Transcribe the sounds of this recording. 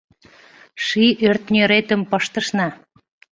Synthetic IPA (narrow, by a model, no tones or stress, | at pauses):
ʃiʔørt̪nʲøɾet̪ə̆mpəʃt̪əʃnɑ